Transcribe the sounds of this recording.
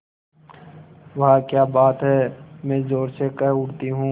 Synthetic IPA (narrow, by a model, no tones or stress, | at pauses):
ʋɐɦãkjaːbaːt̪ɦɛːmɛ̃ːzoːɾsekɛɦʊɽt̪iɦũː